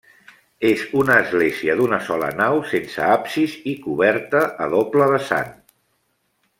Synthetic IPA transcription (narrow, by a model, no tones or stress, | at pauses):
ezunəːzɣleziəðunəsɔlə̰nawsensə̰apsizikuβɛɾt̪əʔːðopləðəsa̰n